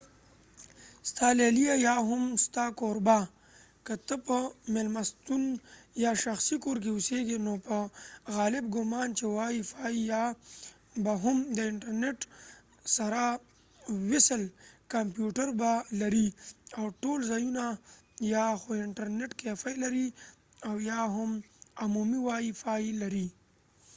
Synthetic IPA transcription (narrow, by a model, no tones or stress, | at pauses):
st̪alelijajaɦʊmst̪akoɾba | kət̪əpəmelmast̪unjaʃaxsikoɾk̬eʊseɡenopəɣaːlɪb̚ɡʊmɑːnt͡ʃewajifaija | baɦʊmd̪əɪɳʈəɾneʈ | saɾa | wɪsəlkampjuʈəɾbalaɾiawʈolzaːjuna | jaxoɪɳʈəɾneʈkefajlaɾi | awjaɦʊm | amumiwaːjifailaɾi